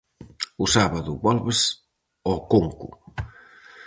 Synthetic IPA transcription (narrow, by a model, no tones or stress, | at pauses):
usaβaðuβɔlβes | ɔkoŋkṵ